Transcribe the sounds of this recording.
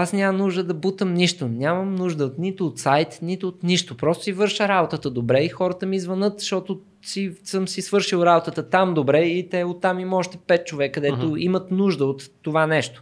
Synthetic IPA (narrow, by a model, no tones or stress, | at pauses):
asnʲamɐnuʒd̪əd̪ɐbut̪əmniʃt̪onʲaməmnuʒd̪əot̪nit̪ʊːt̪sajt̪nit̪ʊːt̪niʃt̪opɾɔst̪ʊsivɤɾʃəɾabot̪ət̪əd̪obɾɛixɔɾət̪əmizvɐnɤt̪ʃt̪ɔt̪o | sisɤmsisvɤɾʃilˠɾabot̪ət̪ət̪amd̪obɾɛit̪ɛot̪ːamimɔʃt̪ɛpɛt̪̚t͡ʃovɛkːəd̪ɛt̪oimət̪nuʒd̪əot̪ːovanɛʃt̪o̥